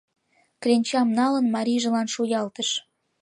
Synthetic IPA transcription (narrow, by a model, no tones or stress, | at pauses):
klʲenʲt͡ɕɑmnɑlənmɑɾʲiʒə̆lɑnʃujɑlt̪əʃ